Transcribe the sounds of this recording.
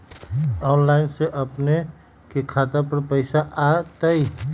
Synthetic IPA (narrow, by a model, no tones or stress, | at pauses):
ɔːnlaːɪnseʔəpne | kekʰaːt̪apəɾpəɪsaʔat̪əi